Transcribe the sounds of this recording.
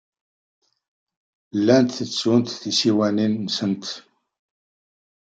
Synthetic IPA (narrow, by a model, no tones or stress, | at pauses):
lːænt̪θət͡sːunt̪θisiwæninːəsənt̪